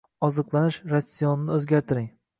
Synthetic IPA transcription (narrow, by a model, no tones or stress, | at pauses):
ɒzɨqlˠanɪʃɾasʲːijɒnɪnɪɵzɡʲaɾt̪ʰɪɾɪŋ